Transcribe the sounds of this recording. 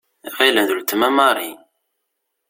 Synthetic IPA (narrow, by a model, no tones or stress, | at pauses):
ʁilənðult̪ːəmæmɑɾˤi